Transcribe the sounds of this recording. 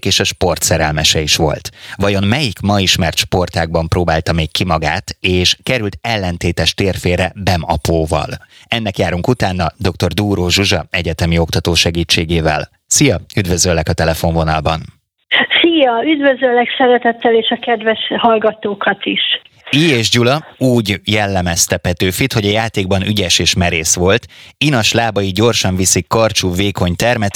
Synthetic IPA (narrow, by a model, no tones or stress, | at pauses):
keːʃɒʃpo̞rt̪sɛɾɛlmɛʃɛiʃʋo̞̰lt̪ʋɒjo̞mmɛjikmɒiʃmɛrt̪ʃpo̞rt̪aːɡ̚bɒmproːbaːlt̪ɒmeːkkːimɒɡa̰ːt̪eːʃkɛɾylt̪ɛlːɛnt̪eːt̪ɛʃt̪eːrfeːrɛbɛmɒpoːvɒ̰lɛnːɛkjaːɾuŋkut̪aːnːɒd̪o̞kt̪o̞rd̪uːɾoːʒuʒɒɛɟɛt̪ɛmiokt̪ɒt̪oːʃɛɡiːt͡ʃːeːɡeːvɛ̰l | sijɒyd̪vø̞zølːɛkɒt̪ɛlɛfo̞ɱvo̞nɒlbɒn | sijɒyd̪vøzølːɛksɛɾɛt̪ɛt̪ːɛleːʃɒkɛd̪vɛʃhɒlɡɒt̪oːkɒt̪iʃ | iːeːʒɟulɒuːɟjɛlːɛmɛst̪ɛpɛt̪øːfit̪ho̞ɟɒjaːt̪eːɡ̚bɒnyɟɛʃeːʃmɛɾeːsʋo̞lt̪inɒʃlaːbɒjiɟo̞rʃɒɱvisikːɒrt͡ʃuveːko̞ɲt̪ɛrmɛt̪